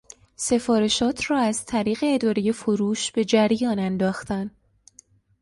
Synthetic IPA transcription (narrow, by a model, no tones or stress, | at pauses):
se̞fɒːɾe̞ʃɒːt̪ʰrɒːæzt̪ʰæɾiːɣe̞ːd̪ɒːɾeje̞foɾuːʃb̥e̞d͡ʒæɾjɒːnænd̪ɒːxt̪æn